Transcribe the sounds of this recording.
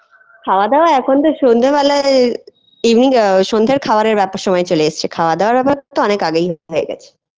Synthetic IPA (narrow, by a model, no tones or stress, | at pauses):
kʰaoad̪eoaɛkʰont̪oʃond̪ʱebala | ibniŋʃond̪ʱeɾkʰabaɾeɾbɛpʃɔmɔet͡ɕoleeʃt͡ɕʰekʰaoad̪eoaɾbɛpaɾt̪oɔnekaɡejɦɦoeɡɛ̰t͡ɕʰe̥